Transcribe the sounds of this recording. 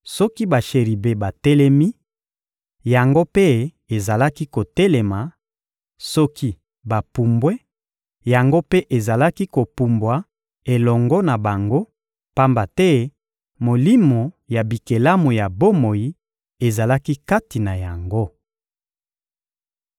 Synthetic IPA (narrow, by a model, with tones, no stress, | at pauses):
sɔ˦ki˦ba˨ʃe˨ʁi˨be˨ba˨tɛ˦lɛ˦mi˦ | ja˨ŋɡo˦pe˦ | e˨za˨la˦ki˦ko˨tɛ˦lɛ˨ma˨ | sɔ˦kʰi˦ | ba˨pu˨mbwe˦ | ja˨ŋɡo˦pe˦ʔe˨za˨la˦ki˦ko˨pu˨mbwa˨ | e˨lɔ˨ŋɡɔ˦na˨ba˨ŋɡo˦ | pa˦mba˨tɛ˦ | mo˨li˦mo˨ | ja˨bi˨ke˨la˦mo˨ja˨bo˦mo˨ji˦ | e˨za˨la˦ki˦ka˦ti˨na˨ja˨ŋɡo˦